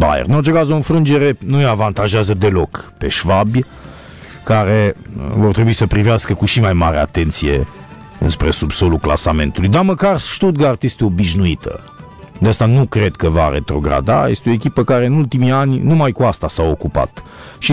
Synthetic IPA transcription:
ba̰jḛrɨnot͡ʃe̞kazo̞ɨnfɾɨnd͡ʒe̞ɾe̞nueavant̪aʒeazəd̪e̞lo̞kpe̞ʃvabʲj | kaɾe̞vo̞rt̪ɾebuisəpɾiveaskəkuʃimajmaɾea̰t̪e̞nt̪sije̞̰ | ɨ̰nspɾe̞subso̞lukla̰same̞̰nt̪ulujd̪aməkarʃt̪ut̪̚ɡart̪ist̪eobiʃnuit̪ʰə̰ | d̪east̪anukɾe̞d̪kəva̰ɾe̞̰t̪ɾo̞ɡɾa̰d̪a̰jest̪eo̞ekʲipəkaɾe̞ɨnult̪imianʲnumajkuast̪asao̞kupa̰t̪ | ʃi

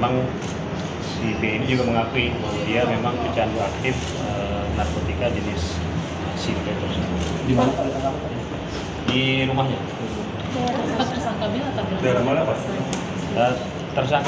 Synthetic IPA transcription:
maŋ | sibeinid͡ʒuɡaməŋakuikolidiamemaŋbit͡ʃanduak̚t̪ɪf | ənarkot̪ikad͡ʒənɪs | əsibet̪ərsəb | dimanapadat̪aŋapaa | diɾumahɲa | ut̪u | at̪̚bərsaŋk̪abilat̪abildalamalapas | ə | t̪ərs̬aŋk

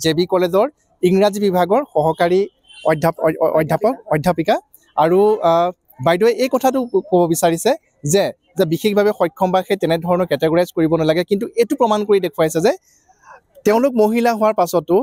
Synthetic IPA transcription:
zebikɔlezɔɹ | iŋɹazibibʱaɡɔɹxɔɦɔkaɹi | ɔdʱapɔ̰jdʱapɔkɔjdʱːapika | aɹu | bajdɔɛʔejkɔtʰatʊkobɔbisaɹisɛ | zɛ | zɛbixexbʱabɛxɔjkʰːɔmbaxetɛnɛdʱɔɹɔnɔɹkɛtɛɡɹazkoɹibɔnalaɡɛkintuʔetʊpɹɔmankoɹidekʰʊwasɛzɛ | teʊ̃lʊk̚moɦilaɦʊwaɹpasɔtːʊ

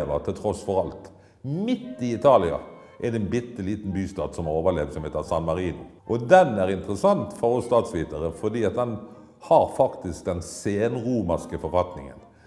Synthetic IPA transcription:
ʋət̪ʰɪlt̪ʰɾɔsfɔɾɑlt̪ | mɪt̪ːɪɪt̪ʰɑːlɪɑ̰ | ʔɛd̪ɛnbɪt̪ːəliːt̪nbyːst̪ɑːd̪sɔmɑʁoːʋəleːʋsɔmhɛt̪ːəsɑnmɑɾiːnʊʔɔd̪ɛnæɾɪnt̪ʁəsɑnt̪fɔʁɔsst̪ɑːt̪sʋiːt̪əɾəfɔd̪iːɑt̪̚d̪ɛn | hɑɾfɑkt̪ɪsk̚d̪ɛnseːnʁuːmɑskəfɔɾfɑt̪nɪ̰ŋə̰n

